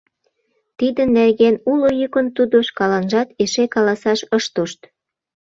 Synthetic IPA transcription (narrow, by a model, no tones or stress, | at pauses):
t̪id̪ənːerɣenulojukə̆nt̪ud̪oʃkɑlɑnʒɑt̪eʃekɑlɑsɑʃəʃt̪oʃt̪